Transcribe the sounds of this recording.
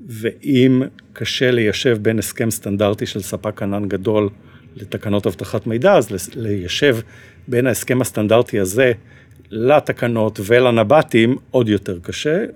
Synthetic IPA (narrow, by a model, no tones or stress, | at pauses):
veʔimkʰaʃelejaʃe̞vbe̞neske̞mst̪andaʁtiʃelsapakananɡado̞lː | et̪akano̞thavt̪aχatme̞jdaːzlejaʃe̞v | be̞naeske̞mast̪andaʁtiaze | latakano̞tvelanabatimodjo̞te̞ʁkaʃe